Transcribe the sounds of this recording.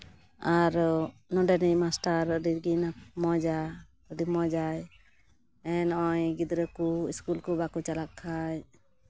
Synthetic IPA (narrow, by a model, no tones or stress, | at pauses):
aɾnɔdɛnimasʈaɾdiɾɡinamɔd͡ʒa | dimɔd͡ʒaj | ɛnɔjɡid̪ɾəkuiskulkubakut͡ʃalakʰːaj